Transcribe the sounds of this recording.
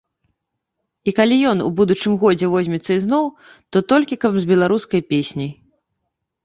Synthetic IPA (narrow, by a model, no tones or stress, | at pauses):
ikalʲijɔnṵbud̪ut͡ʂɨmɣɔd͡zʲɛvɔzʲmʲɛt̪sːɐiznɔw | t̪ɔt̪ɔlʲkʲikɐbzʲbʲɛlˠaɾuskɐjpʲesʲnʲij